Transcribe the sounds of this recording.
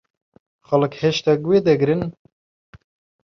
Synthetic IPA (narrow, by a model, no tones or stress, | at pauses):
xɐlɨkheʃt̪ɛkweːd̪ɛɡɨɾɨn